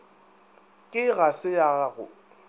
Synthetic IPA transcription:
kʼɪɣasɪjaɣʊ̰

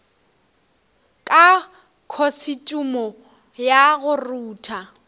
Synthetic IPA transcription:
kʼa | kʰosɪt͡ʃʼumɔ | jaɣʊruːtʰa

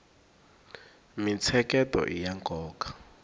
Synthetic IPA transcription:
mit͡sʰɛkʼɛtɔ̰ʔijaŋkʼɔːkḁ

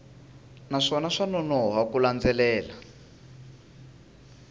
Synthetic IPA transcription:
naʂɔnaʂanɔnɔɦakuland͡zɛlɛːla

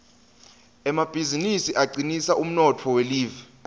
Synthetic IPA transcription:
ɛmab̥ʱizinisiʔaǀinisaʔum̩nɔtʰɔweliːvɛ

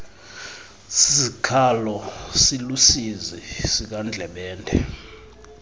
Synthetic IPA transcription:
sisikʰalɔsilusizisik̬and͡ɮʱɛɓɛːndʱɛ̰

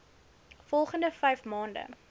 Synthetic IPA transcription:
fɔlˠχəndəfɛjfmɑːndə̰

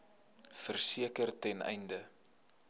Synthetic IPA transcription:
fərsiəkərtɛnɛ̰jndə

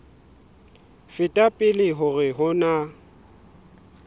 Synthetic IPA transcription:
fɪtʼapʼɪlɪɦʊɣɪɦʊna

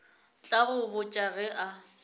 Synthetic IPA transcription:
t͡ɬʼaɣʊbʊt͡ʃʼaɣɛʔa

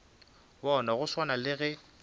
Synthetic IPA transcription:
bɔnaɣʊswanalɪɣɛ

